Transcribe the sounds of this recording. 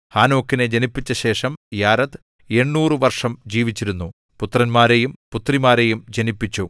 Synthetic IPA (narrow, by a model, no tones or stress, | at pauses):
haːno̞ːkːined͡ʑɐnipːit͡ɕːɐɕe̞ːʂɐmjaːɾɐt̪ | e̞ɳːuːrɨʋɐrʂɐmd͡ʑiːʋit͡ɕːiɾunːu | put̪rɐnmaːɾejumput̪rimaːɾe̞jumd͡ʑɐnipːit͡ɕːu